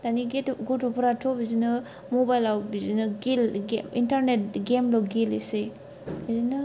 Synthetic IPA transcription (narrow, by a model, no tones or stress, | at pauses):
daniɡetɡɔtɔpʰuɾatʰɔbizinɯ | mɔbajlawbizinɯɡilɡintaɾnet̚ɡemlɔwɡilese | bizinɯ